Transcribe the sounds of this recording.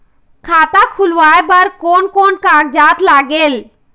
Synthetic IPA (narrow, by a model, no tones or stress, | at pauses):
kʰaːt̪akʰulʋaːebəɾkoːnkoːnkaːɡ̚d͡ʒaːt̪laːɡeːl